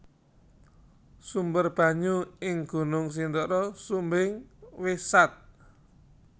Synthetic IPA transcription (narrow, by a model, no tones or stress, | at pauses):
sumbərb̥a̤ɲuɪŋɡ̥ṳnʊŋs̬ind̪ɔɾɔsumbɪŋwesat̪̚